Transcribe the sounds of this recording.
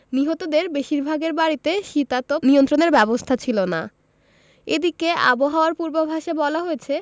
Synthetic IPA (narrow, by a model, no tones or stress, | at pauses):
niɦot̪od̪eɾbeʃiɾbʱaɡeɾbaɾit̪eʃit̪at̪oniont̪ɾoneɾbɛbost̪ʰat͡ɕʰilona̰ | ed̪ikeʔa̰boɦaoaɾpuɾbobʱaʃebɔlaɦoet͡ɕʰe